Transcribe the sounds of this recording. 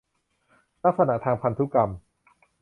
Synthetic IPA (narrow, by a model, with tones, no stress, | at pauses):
t̪ʰa˦˥k̚sa˧na̰˧˩t̪ʰaː˧ŋpʰa˧nt̪ʰu˦˥ka˧m